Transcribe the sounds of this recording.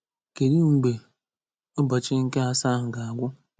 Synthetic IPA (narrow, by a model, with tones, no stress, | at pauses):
ke˨ɾi˦ŋ̩˨ɡ͡be˨ | ʊ˦bɔ˨t͡ʃɪ˦ŋ̩˦ke˦a˦sa˦ɦʊ˨ɡa˨a˨ɡʷʊ˦